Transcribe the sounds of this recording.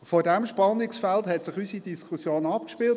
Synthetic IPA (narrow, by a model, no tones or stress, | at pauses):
foːdæmʃpɑnːɪksfælthɛtsɪχysid̥iskʰusjoːnɑpkʃpiːlt